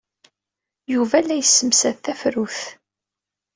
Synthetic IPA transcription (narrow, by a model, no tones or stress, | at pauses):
juvælːæjəsːəmsæðθæfɾuθ